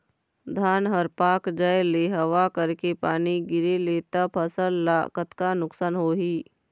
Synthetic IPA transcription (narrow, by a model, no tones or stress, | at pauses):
d̪ʱaːnɦəɾpaːkd͡ʒəjleɦɐʋakəɾkepaːniɡɪɾeleːt̪apʰəsəlːakət̪kanʊksaːnɦoːɦiː